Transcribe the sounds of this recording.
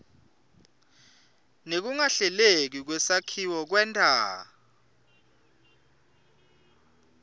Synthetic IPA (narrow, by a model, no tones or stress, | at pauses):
nek̬uŋaɬɛlek̬ik̬wɛsakʰiwɔk̬wɛːntʼa̰ː